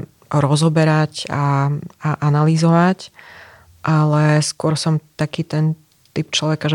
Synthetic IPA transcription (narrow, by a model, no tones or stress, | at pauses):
ɾɔzɔbɛɾacaaʔanalizɔʋac | ʔalɛskʊɔɾsɔmt̪akiːt̪ɛn | t̪ip̚t͡ʃlɔʋɛkaʒɛ